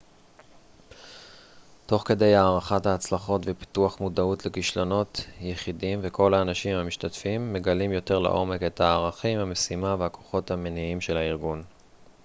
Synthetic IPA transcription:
to̞χke̞de̞jaːʁaχathaːt͡slaχo̞tvepi̥tuaχmudautlekiʃlo̞no̞tjeχidimveko̞laːnaʃimhamiʃtatfimːe̞ɡalimjo̞te̞ʁla̰ʔo̞me̞ke̞thaːʁaχimhamesimavehakʰo̞χo̞thameniimʃe̞laiʁɡun

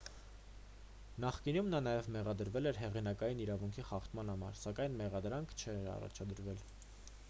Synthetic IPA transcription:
nɑχkinumnɑnɑjɛvmɛʁɑd̪əɾvɛlɛɾɦɛʁinɑkɑjiniɾɑvuŋkʰiχɑχt̪ʰmɑnhɑmɑ̰ɾsɑkɑjnmɛʁɑd̪ɾɑŋkʰt͡ʃʰɛɾɑ̰rɑ̰t͡ʃʰɑd̪əɾvɛl

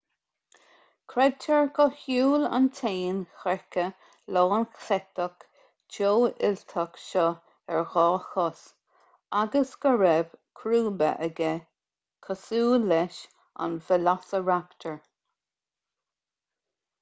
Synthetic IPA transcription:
kʰɾɛd̚tʰəɹkɔhuːla̰nt̪ʰeːnxɛɹkə | loːnxɛtək | d͡ʒoːɪ̰lt̪ʰakʃɔ | ɛɹɣɔːxɔs | aɡəsɡ̥əɹɛbkʰɾuːbə̰ʔəɡɛ | kʰəsuːlːɛʃ | a̰nvɪlasəɹakt̪ʰəɹ

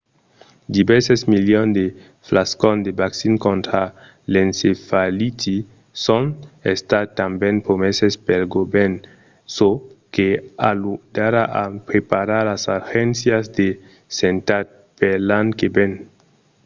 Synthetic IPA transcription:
d̪ivɛɾsesmiljond̪e | flaskond̪ebaksinkõnt̪ɾa | lensefalit̪i | sonest̪at̪ambenpɾomesespelɡoben | sokealud̪̥aɾaʔapɾepaɾaɾlasaxensjazd̪e | sent̪at̪̚ | pelaŋkeben

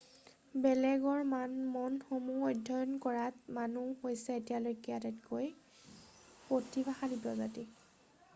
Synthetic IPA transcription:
bɛlɛɡɔɹmmɔnxomuɔjdʱːɔjɔnkɔɹatmanuhojsɛetijalojkiatɛtkoj | potibaxalipɔza̰ti

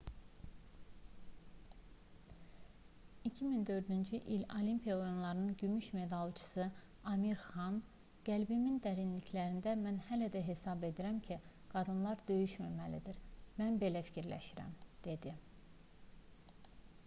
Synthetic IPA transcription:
icʰimind̪ø̞ɾd̪ynd͡ʒyʔilolimpʰijɑojunlˠɑɾɯnɯnɟymyʃme̞d̪ɑlˠt͡ʃʰɯ̥sɯ | ɑmiɾxɑn | ɡ̥ælbimind̪æɾinlicʰlæɾind̪æmænhælæd̪æɦe̞sɑbe̞d̪iɾæmcʰi | ɡ̥ɑd̪ɯnlˠɑɾd̪ø̞jyʃmæmælid̪iɾmænbe̞læfi̥cʰiɾlæ̰ʃiɾæ̰md̪̥e̞d̪i

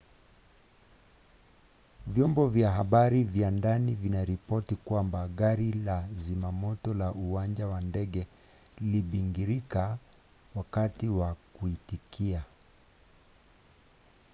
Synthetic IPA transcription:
vjɔmbɔvjaɦaɓaɾivjandanivinaɾipɔtikwambaɠaɾilazimamɔtɔlaʔuwand͡ʒawandɛɡɛ | liɓiŋɡiɾika | wakatiwakuitikʰia

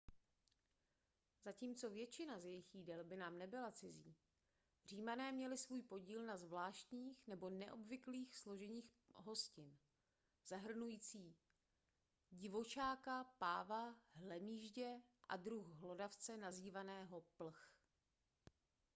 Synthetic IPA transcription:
z̥aciːmt͡so̞vjɛt͡ʃɪnazjɛjɪxjiːdɛlbɪnaːmnɛbɪlat͡sɪziː | r̝iːmanɛːmɲɛlɪsvuːjpo̞ɟiːlnazvlaːʃt̪ɲiːxnɛbo̞nɛʔo̞bvɪkliːxslo̞ʒɛɲiːx | ɦo̞scɪn | z̥aɦr̩nujiːt͡siː | ɟɪvo̞t͡ʃaːkapaːvaɦlɛmiːʒɟɛʔa̰dɾuxɦlo̞daft͡sɛnaziːvanɛːɦo̞pl̩x

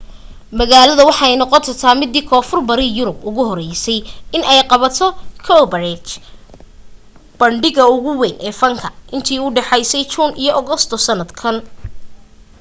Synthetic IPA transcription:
mɐɣaːlɐðɐwɑħɑɛjnɔqɔt̪ʰɔt̪ʰaːmɪd̪ːiːkʰɔːfʊrbɐɾiːjʊɾʊbʊɣʊɦɔɾɛjsɛjɪnɛjqɑβɐt̪ʰɔkʰɔbɐrɛt͡ʃ | b̥ɐɳɖɪɣɐʊɣʊwɛːnʔɛːfɐŋkʰɐʔɪnt̪ʰiːuːɖɛħɑjsɛjt͡ʃuːnʔijɔʔɔɣɔst̪ʰɔsɐnɐd̪kʰɐn

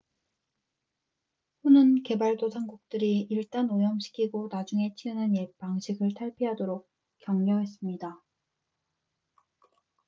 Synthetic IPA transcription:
ɸunɯnke̞baɭdosʰaŋɡuk̚t͈ɯɾiiɭt͈anojʌmɕʰi̥kʰiɡonad͡ʑuŋe̞t͡ɕʰiɯnɯnjepaŋɕʰiɡɯɭtʰaɭpʰiɦadoɾok̚ | k͈jʌŋɲʌɦe̞s͈ɯmɲida

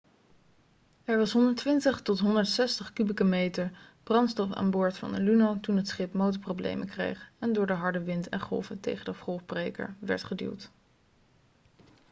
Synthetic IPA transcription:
ɛɹʋɑsɦɔndəɹtʋɪntəχtɔtɦɔndəɹtsɛstəχkybikəmejtəɹb̥rɑnstɔfa̰ːnbʊːɹtfɑ̰ndəlynotunɦətsχɪpmowtəɹprowblḛjmʔəkrḛjχɛndʊːɹdəɦɑɹdəʋɪntʰɛ̰nχɔ̰lˠvətḛjχədəχɔlˠfbrejkə̰ɹʋɛ̰ɹtχədḭlˠt

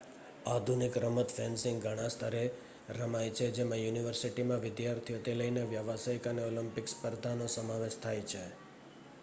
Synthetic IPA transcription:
ad̪ʱunɪkɾəmət̪fɛnsɪ̃ŋɡɡʱəɽ̃ãst̪ʰaɾe | ɾəmajt͡ʃʰed͡ʒemãjuniʋəɾsiʈimãʋɪd̪jaɾt̪ʰijot̪eləjneʋjaʋasəjkaneolimpɪkspəɾd̪ʱanosəmaʋeʃt̪ʰajt͡ʃʰe

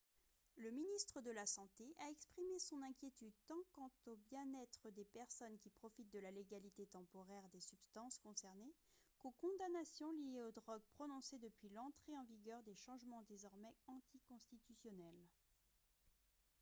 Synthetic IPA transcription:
ləminist̪χəd̪əlasɑ̃t̪eʔaɛkspχimesɔ̃nɛ̃kʲjet̪yd̪̚t̪ɑ̃kɑ̃t̪objɛ̃nɛt̪χəd̪epɛʁsɔnkʲipχɔfit̪̚d̪əlaleɡalit̪et̪ɑ̃pɔʁɛʁd̪esybst̪ɑ̃skɔ̃sɛʁnekokɔ̃d̪anasjɔ̃lijeod̪ʁɔɡ̚pχɔnɔ̃sed̪əpɥilɑ̃t̪χeɑ̃viɡʲœʁd̪eʃɑ̃ʒmɑ̃d̪ezɔʁmɛɑ̃t̪ikɔ̃st̪it̪ysjɔnɛl

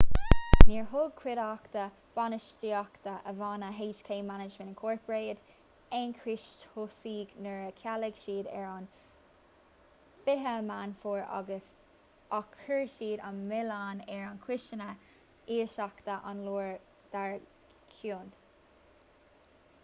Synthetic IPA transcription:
niːɹɦʊɡ̚kʰwɪɾakt̪ə | b̥ɑnəʃtiːɑkt̪əʔəvɑːnəɦeːt͡ʃkʰeːmanɪd͡ʒmənnkʰɔːɹpəɹeːd | ɛnkʰɹɪʃthʊsiːɡnəɹəkʰaləɡ̥ʃiːdɛ̰ɹɑn | fɪɦəmanfuːɹɑ̰ɡəs | ɑkʰhəɹʃiːdɑnmɪlanɛɹɑnkʰɹɪʃt͡ʃənə | iːɹʃɑkt̪əʔa̰nluːɹ | d̪̥aɹ | kʰun

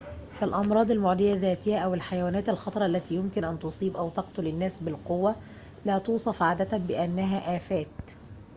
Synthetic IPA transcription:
falʔɑmɾˤɑːd̪ˤalmʊʕd̪ɪjaðæːt̪ɪhæʔæwɪlħajawæːnæːt̪alxɑt̪ˤɑɾˤɑʔalːæt̪iːjʊmkɪnʔænt̪ʊsˤiːbʔawt̪ɑqt̪ʊlɪnːæːsbɪlqʊwːa | læːt̪uːsˤɑfʕaːd̪æt̪abɪʔanːæɦæʔæːfæːt̪

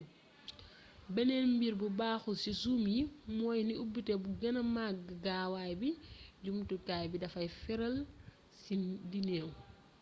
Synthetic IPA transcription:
bɛnɛnmbiɾbubaːxusisumjimɔːjniubitɛbuɡɐnɐmaɡɡaːwajbiɟumtukajbidɐfɐjfɛɾɐl | sidinɛːw

